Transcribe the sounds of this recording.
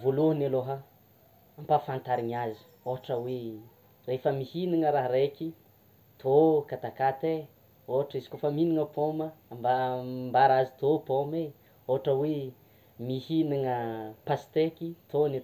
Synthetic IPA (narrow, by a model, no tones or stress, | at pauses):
voluɦənaloɦə | ampafant̪aɾiɲazi̥ | oɦaʈ͡ʂəwe | refəmihiniŋəɾaɦɾekʲi | t̪ʰokat̪akat̪e | oɦaʈ͡ʂizi̥kofəminiŋəpʰoməambambaɾazit̪opome | oɦaʈ͡ʂəwe | mihiniŋəpast̪ekit̪ʰone